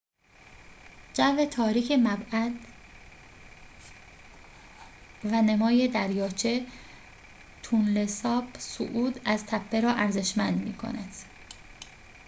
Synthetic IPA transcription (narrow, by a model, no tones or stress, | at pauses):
d͡ʒævet̪ʰɒːɾiːcʰe̞mæbæd̪ | væne̞mɒːje̞d̪æɾjɒːt͡ʃʰe | t̪ʰunlesɒːbso̰ʔuːd̪æzt̪ʰæpʰːeɾɒːʔæɾze̞ʃmænd̪mḭːkʰo̰næd̪̥